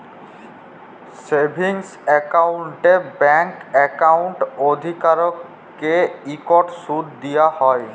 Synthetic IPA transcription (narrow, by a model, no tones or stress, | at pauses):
sebʱiŋsɛkawɳʈebɛŋkɛkawɳʈod̪ʱikaɾɔkː | eikɔʈsud̪d̪ijahɔj